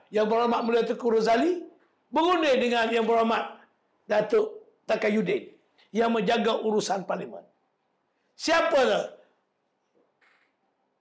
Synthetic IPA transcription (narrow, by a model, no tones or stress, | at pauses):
jaŋbəɾamat̪̚muliat̪əkuɾəzali | bəɡunədəŋanjaŋbəɾamat̪̚ | dat̪oʔ | t̪akajudɪn | jaŋməd͡ʒaɡaʔuɾusanpalimə̰n | siapəla